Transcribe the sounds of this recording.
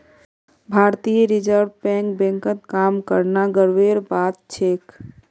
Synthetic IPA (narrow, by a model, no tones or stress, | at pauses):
bʱaɾt̪ijɾid͡ʒəɾbpɛ̃ŋkbɛ̃ŋkət̪kamkəɾnaɡəɾʋeɾbat̪̚t͡ʃʰek